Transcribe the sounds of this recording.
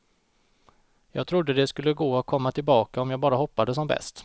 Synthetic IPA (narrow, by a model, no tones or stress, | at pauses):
jɑːɡt̪ʰɾʊd̪ːəd̪ɛskɵlːəɡoːakʰɔmːat̪ʰɪlbɑːkaɔmjɑːɡ̚bɑːɾahɔpːad̪əs̬ɔmbɛ̰st̪